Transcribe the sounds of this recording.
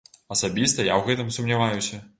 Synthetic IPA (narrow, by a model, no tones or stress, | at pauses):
ɐsabʲist̪ɐjawɣɛt̪ɨmsumnʲavajusʲɐ